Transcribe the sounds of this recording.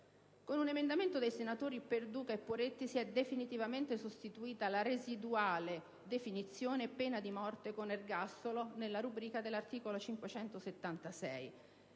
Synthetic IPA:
konunemend̪ament̪od̪ejsenat̪oːɾiperd̪uːkaepːoɾet̪ːisiɛd̪efinit̪ivament̪esost̪it̪uiːt̪alaɾezid̪uaːle | d̪efinit̪sːjoːnepɛːnad̪imɔrt̪ekonerɡast̪olonelːaɾubɾiːkad̪elːart̪iːkolot͡ʃiŋkwet͡ʃɛnt̪oset̪ːant̪asɛ̰j

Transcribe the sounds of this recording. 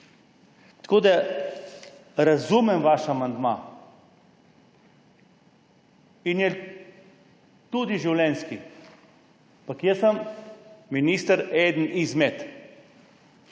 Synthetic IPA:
t̪ḁkoːd̪a | ɾazumɛmʋaʃamand̪ma | injɛ | t̪ud̪iʒiwlɛnski | pakjəsəm | minist̪əɾed̪n̩izmet̪

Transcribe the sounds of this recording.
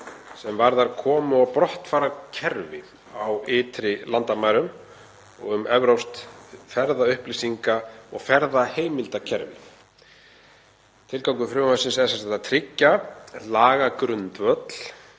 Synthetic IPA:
sɛmvaɾðaɾkʰɔːmʏapɾɔht̪faːɾacʰɛɾvɪ | awɪːt̪ɾɪlant̪amaːjɾʏm | ɔ̰ɣʏmɛvɾowst̪fɛɾðaʏhplisiŋkaɔ̰ɣfɛɾðaheːjmɪlt̪acʰɛɾvɪ̰ | t̪ʰɪlkawŋkʏfɾʏwmasɪnsɛsɛsɛt̪at̪ʰɾɪcːalaːɣakɾʏnt̪vœt̪l̥

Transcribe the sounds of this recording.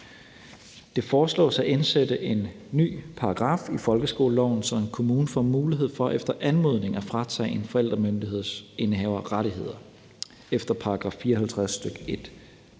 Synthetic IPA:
d̥e̝fɒːslɔ̰ːsɑæensed̥əʔe̝nː | y̰ːpʰɑ̈ɑɡ̥ʁɑ̰̈ːfifɒ̽lɡ̥əsɡ̥o̝̰ːləlɒ̰ʊ̰n̩sɒ̽me̝nkʰo̝muːnəfɒ̰muːliɦe̝ð̞̰ˠfɒ̽ʔefd̥ɐʔænmo̝ð̞̰ˠne̝ŋæfʁɑ̈t͡sʰɛ̰ːe̝nfɒ̽el̰d̥ʁɐmønd̥iɦe̝ð̰ˠse̝nɦɛ̰ːʊɐʁɑ̈ɾiɦe̝ð̞̰ˠɐ | efd̥ɐpʰɑ̈ɑɡ̥ʁɑ̈ːffiːɐhælt͡sʰʁassd̥øɡ̥e̝d̥

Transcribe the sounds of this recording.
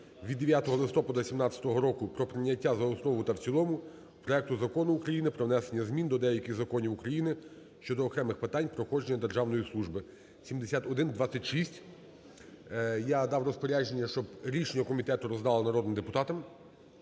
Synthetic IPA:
ʋʲid̪ːeʋʲjat̪ɔɦɔlˠɪst̪ɔpɐd̪ɐsʲimnɑt̪t͡sʲjɐ̥t̪ɔɦɔɾɔkʊpɾɔpɾɪnʲːɐtʲːazɐɔsnɔʋʊt̪ɐwt͡sʲilˠɔmʊ | pɾɔɛk̚t̪ʊzɐkɔnʊːkɾɐjinɪpɾɔʋnɛsenʲːɐzmʲind̪ɔd̪ɛjɐkʲɪɣzɐkɔnʲiwukɾɐjinɪ | ʃt͡ʃɔd̪ɔːkɾɛmɪxpɪt̪anʲpɾɔxɔd͡ʒenʲːɐd̪erʒɑwnɔjislˠuʒbɪ | sʲimd̪esʲat̪ɔd̪ɪnd̪ʋasʲɐtʲʃisʲtʲ | jad̪ɑwrɔspɔɾʲaʒe̞nʲːɐʃt͡ʃɔbɾʲit͡ʃenʲɐkɔmʲit̪ɛt̪ʊɾɔzd̪ɑlˠɐnɐɾɔd̪nmd̪epʊt̪ɑt̪ɐm

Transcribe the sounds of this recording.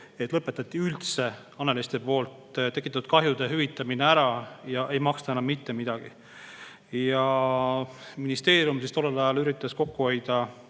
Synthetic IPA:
e̞t̪ːˑlɤpːˑet̪ːˑɑt̪ːiylt̪se̞ | ɑnelest̪e̞po̞ːlt̪t̪e̞kːˑit̪ːɑt̪u̥d̪̥̚kɑɦjud̪̥e̞ɦyvit̪ːˑɑmineæɾɑjɑʔe̞jmɑkst̪ɑenɑmːit̪ːe̞mid̪̥ɑɡ̥ḭ | jɑ | minist̪e̞ːɾjumsist̪o̞lːelɑjɑlyɾit̪ˑːɑsko̞kːuo̞jd̪̥ɑ

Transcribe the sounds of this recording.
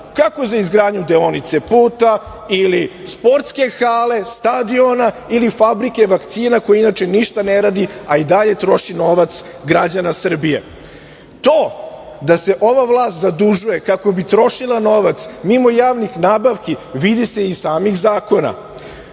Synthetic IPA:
kako̞zaizɡɾaːdɲud̪eonit̪sepuːt̪a | ilispo̞ɾt̪ske̞xaːle̞st̪ad̪io̞nailifabɾike̞ʋakt̪siːnako̞jinat͡ʃe̞niʃt̪aneɾaːd̪iaid̪aʎe̞t̪ɾo̞ʃino̞ʋat̪s | ɡɾad͡ʑanasr̩bije̞̰ | t̪oː | d̪ase̞ʔo̞ʋaʋlˠaːst̪zad̪uʒuje̞kako̞bit̪ɾo̞ʃilˠano̞ʋat̪smimo̞jaːʋnixnaːbaʋkiʋid̪ise̞isaːmixzaːko̞na̰

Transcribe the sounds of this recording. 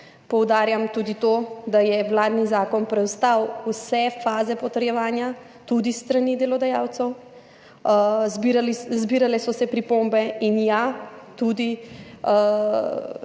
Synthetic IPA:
pɔwd̪aːɾjamt̪ud̪it̪od̪ajɛʋlaːd̪nizaːkɔnpɾɛwst̪awwsɛfaːzɛpɔt̪əɾjɛʋaːnja | t̪ud̪ist̪ɾanid̪ɛlɔd̪ajaːwt̪sɛw | zbiɾalizbiːɾalɛsɔsɛpɾipombɛinjat̪ud̪i

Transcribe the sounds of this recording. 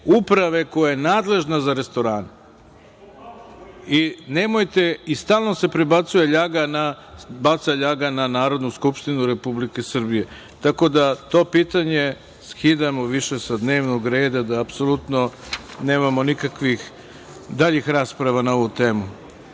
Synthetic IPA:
upɾaʋe̞ko̞jajenaːd̪le̞ʒnazaɾe̞st̪o̞ɾaːn | ine̞mo̞jt̪e̞ist̪aːlˠno̞se̞pɾebat̪suje̞ʎaɡanabat̪saʎaɡananaːɾo̞d̪nuskupʃt̪inuɾe̞publike̞sr̩bije̞ | t̪ako̞d̪at̪o̞ːpiːt̪aɲe̞ | skid̪amoʋiʃe̞sad̪ne̞ːʋno̞ɡɾe̞ːd̪ad̪aːpso̞lut̪no̞ne̞ːmamo̞nikakʋix | d̪aʎixɾaːspɾaʋanao̞ʋut̪e̞ːmu

